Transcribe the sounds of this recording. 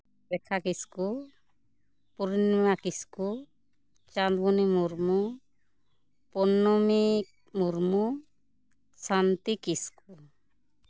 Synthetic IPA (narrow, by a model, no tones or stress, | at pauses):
bɛkʰakisku | puɾinmakisku | t͡ʃand̪bʱunimuɾmu | pɔnːɔmi | muɾmu | sant̪ikisku